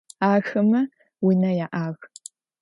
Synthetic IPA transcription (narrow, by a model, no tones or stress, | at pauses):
aːxɐmɐ | winɐjaʔaːɣ